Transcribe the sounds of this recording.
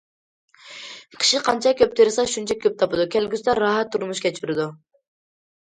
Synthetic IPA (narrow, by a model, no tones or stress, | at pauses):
qʰɨ̥ʃiqʰɑnt͡ʃʰɑkʲʰøp̚t̪ʰeɾsɑʃunt͡ʃʰɛkʲʰøp̚t̪ʰɑpɨd̪ukʲɛlɡʲyst̪ɛɾːɑɦɛt̪ʰːuɾmuʃkʲʰɛt͡ʃyɾɪd̪u